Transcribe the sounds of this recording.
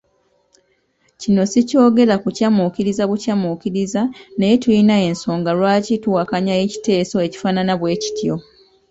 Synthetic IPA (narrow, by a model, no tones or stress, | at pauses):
cino̞sico̞ːɡe̞ɾakucamukiɾizaβucamukiɾizanejetuinae̞nso̞ːŋɡalwaːcitwakaɲaeci̥te̞ːso̞e̞ci̥faːnanaβwe̞ːci̥tʰjo̞